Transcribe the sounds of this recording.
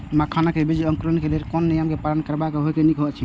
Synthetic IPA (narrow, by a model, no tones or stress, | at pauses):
makʰanakebid͡ʒə̃ŋkɾənkeleɾkɔnːijəmkepalənkəɾbakeɦojkenikːt͡ʃʰi